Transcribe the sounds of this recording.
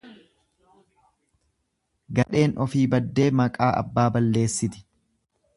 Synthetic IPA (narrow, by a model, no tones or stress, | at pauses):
ɡɐᶑe̞ːnɔfiːbɐd̪ːe̞ːmɐkʼaːʔɐ̰bːaːbɐlːe̞ːsːɪt̪ɪ̥